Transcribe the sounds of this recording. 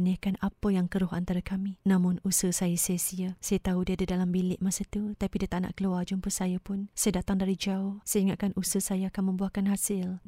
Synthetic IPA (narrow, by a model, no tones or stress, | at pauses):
nahkanapəjaŋkəɾʊɦa̰nt̪aɾakamĩnãmʊnusəsajəsəsiəsajət̪audiadidalambilɪʔmasət̪ut̪apidiət̪aʔna̰ʔkəluard͡ʒumpəsajəpʊnsajədat̪aŋdaɾid͡ʒaʊhsajiŋaʔ̪̚kanʔusəsajaakanmə̃mbuakanɦasɪl